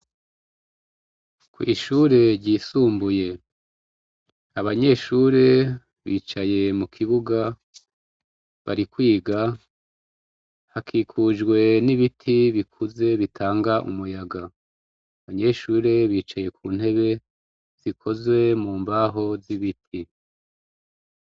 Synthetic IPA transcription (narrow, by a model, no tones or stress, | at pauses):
kwḭʃuːɾe̞ɾɟiːsuːmbuje̞ | aβaɲe̞ʃuːɾe̞ | βḭːt͡ʃaje̞mukʰiβuɡa | βa̰ɾikwiːɡa | hakʰiːkʰud͡ʒɡwe̞niβitʰiβikʰuze̞βitʰaːŋɡaʔṵmujaɡa | aβaɲe̞ʃuːɾe̞βiːt͡ʃaje̞kʰuːn̥he̞βe̞ | z̥ikʰo̞zwe̞muːmbaːɦo̞ziβitʰi